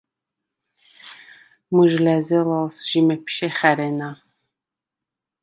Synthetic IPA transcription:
muʒlæzɛlɑlsʒ̥imɛpʰʃɛχæɾɛna

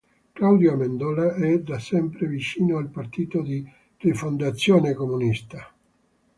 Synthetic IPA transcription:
klawd̪joamend̪ɔːlaɛd̪asɛmpɾevit͡ʃiːnoalpart̪iːt̪od̪i | refond̪at̪sːjoːnekomunist̪a

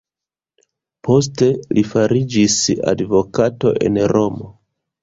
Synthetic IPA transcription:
po̞s̬te̞lifaɾid͡ʒisa̰dvo̞kato̞̰ʔe̞̰nɾo̞mo̞

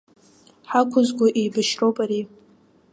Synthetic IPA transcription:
ħakʷʰʊzɡʷʊʔejbɨʃropʼaɾi

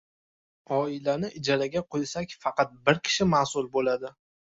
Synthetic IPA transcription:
ɒɪlanɪʔɪd͡ʒaɾaɡʲaqʰojsakʲfɑqɑt̪̚bɪɾkʲʰɪ̥ʃɪmaːsʊlˠbolad̪ɪ

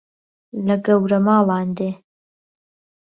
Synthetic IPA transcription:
lɐɡɐwɾɐmɑːlˠɑːnd̪eː

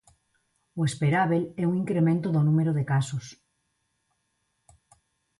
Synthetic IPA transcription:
oespeɾaβelɛuŋiŋkɾemẽnt̪oðonũmeɾoðekasos

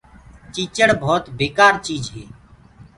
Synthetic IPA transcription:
t͡ʃiːt͡ʃəɽbʱoːt̪beːkaːɾt͡ʃiːd͡ʒɦeː

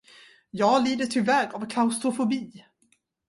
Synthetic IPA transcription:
jɑːɡliːd̪əʈʰɪvɛːɾavkʰlaʊst̪ɾʊfʊbiː

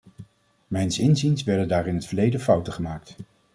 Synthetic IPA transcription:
mɛjnsɪnzinsʋɛɹdəndaːɾɪnɦətfəɹlejdəfʌwtəχəmaːk̚t

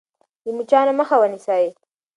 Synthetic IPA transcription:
d̪əmut͡ʃɑnaməxawənisɑji

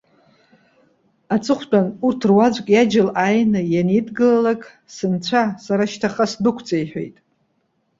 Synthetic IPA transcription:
at͡sʰʼɨχʷt͡pʼanurtʰrwad͡zʷʼkʼjad͡ʒɪlajnɨjanidɡɨlalakʼ | sɨnt͡ɕʷʰasaɾaʃtʰaχasdɨkʷʰt͡sʼejħʷᶣḛjtʼ

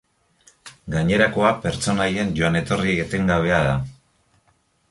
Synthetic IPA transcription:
ɡaɲe̞ɾako̞ape̞ɾt͡so̞naje̞nʝo̞anet̪o̞rieɣet̪e̞ŋɡaβ̞e̞aða

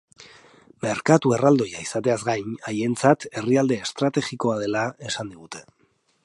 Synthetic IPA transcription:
me̞ɾkat̪ue̞rald̪o̞jaisat̪e̞azɡajnaje̞nt͡sat̪e̞riald̪e̞ːst̪ɾat̪e̞ɣiko̞að̞e̞lae̞sand̪iɣ̞ut̪e̞

